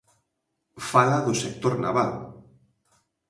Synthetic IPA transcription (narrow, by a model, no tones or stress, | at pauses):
falaðʊsek̚t̪oɾna̰βal